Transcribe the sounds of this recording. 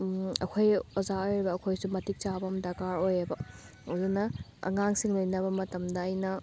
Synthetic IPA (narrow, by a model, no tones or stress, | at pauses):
ɐ̰kʰojɔzaojɾebɐːkʰojsumɐtik̚t͡ʃabɐmdakaɾojebɐ | odonɐɐ̰ŋaŋsiŋlojnɐβɐmɐtɐmdɐːjnɐ